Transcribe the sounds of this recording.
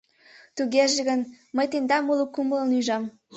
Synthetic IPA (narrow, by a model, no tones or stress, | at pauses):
t̪uɣeʒeɣən | məjt̪end̪ɑmulˠukumələnujʒɑm